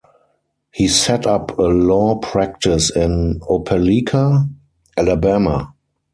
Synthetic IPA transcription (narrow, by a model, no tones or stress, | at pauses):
hiːsɛtapʰəlɔːpʰɹæk̚tɪsɪ̃nopʰɛlikʰa | ʔælabæma